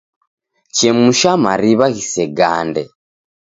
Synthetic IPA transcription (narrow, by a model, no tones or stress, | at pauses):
t͡ʃɛmuʃamaɾiβaɣisɛɡa̰ːndɛ̰